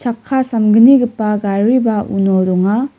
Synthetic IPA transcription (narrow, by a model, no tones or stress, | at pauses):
t͡ʃʰakʰːasamɡɯniɡɯpːaɡaɾibaṵnɔɾɔŋa